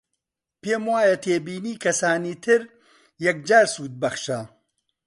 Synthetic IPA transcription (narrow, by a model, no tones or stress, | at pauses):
peːmwaːjɐt̪ʰeːbiːniːkʰɐsaːniːt̪ʰɨɾ | jɐk̚d͡ʒaːɾsuːt̪̚bɐxʃa